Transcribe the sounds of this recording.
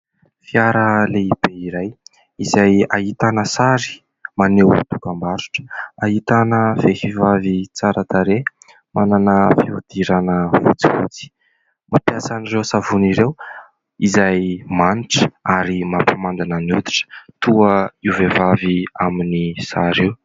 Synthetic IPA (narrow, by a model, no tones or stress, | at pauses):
fiaɾəleib̥eiɾaj | izajaɦit̪anəsaɾi̥ | manew̰t̪ukambaɾu̥ʈ͡ʂə̥aɦit̪anəv̥efivavit͡saɾət̪aɾe | mananəfiud̪̥iɾanəvṵt͡sivṵt͡si̥ | mapjasanirewsavuniɾew | izajmaniʈ͡ʂə̥aɾimapamand̪anənud̪iʈ͡ʂə̥t̪uəiuvevaviaminisaɾew